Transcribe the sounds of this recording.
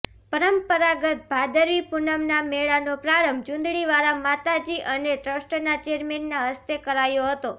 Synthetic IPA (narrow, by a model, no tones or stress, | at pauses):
pəɾəmpəɾaɡət̪̚bʱad̪əɾʋipunəmnameɭanopɾaɾəmbʱd͡ʒũnd̪ɭiʋaɾamat̪ad͡ʒiʔəned̪ɾəʃʈənat͡ʃeɾmenːaɦəst̪ekəɾajoɦət̪o